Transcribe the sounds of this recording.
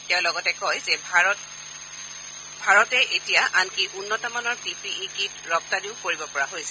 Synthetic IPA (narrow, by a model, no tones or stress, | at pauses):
tɛʊ̃lɔɡɔtɛkɔjzɛbʱaɔt | bʱaɹɔtɛʔetijaʔankiʔunːɔtɔmanɔɹpipiikitɹɔp̚tadiʊkoɹibɔpɔɹaɦojsɛ̥